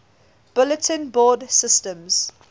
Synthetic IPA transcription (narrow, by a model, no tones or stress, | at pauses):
b̥ʊlətʰə̃nbɔːdsɪstə̃mz̥